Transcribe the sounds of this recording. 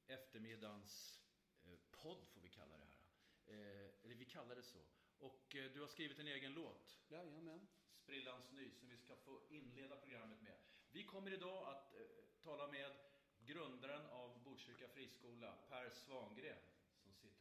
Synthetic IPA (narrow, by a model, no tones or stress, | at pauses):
ɛft̪əɾmɪd̪ans | pʰɔd̪ːfoːɾvɪkʰa̰lːa̰d̪ɛ̰hæ̰ːɾa̰ | ɛlːəɾvɪkʰalːad̪ɛsɔ̰ | ʔɔkd̪ɵhaʂkɾiːvɪt̪ɛneːɡənloːt̪ | spɾɪlːansnyjsɔmvɪskafoːɪnːleːd̪apʰɾʊɡɾamːət̪mɛ̰vɪkʰɔmːəɾɪd̪ɑːat̪ʰːɑːlameːd̪ | ɡɾɵnd̪aɾənavbuʂʏɾkafɾiːskuːlapʰæɾsvɑŋɡɾeːn | sɔmsɪt̪ːə